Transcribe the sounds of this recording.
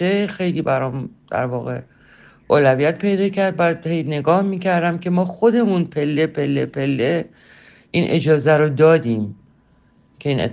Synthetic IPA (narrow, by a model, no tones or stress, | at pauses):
exe̞jliːbæɾɒːmd̪̥æ̰ɾvɒːɣe̞ | ʔoːlævijæt̪̚pʰe̞jd̪ɒːcæɾd̪̚bæd̪hejne̞ɡɒːhmiːcʰæɾd̪æmcʰe̞mɒːxo̞d̪e̞muːnpʰe̞lːe̞pʰe̞lːe̞̰pʰe̞lːe | ʔiːnʔe̞d͡ʒɒːzæɾod̪ɒːd̪iːm | cʰe̞iːnḛt̪ː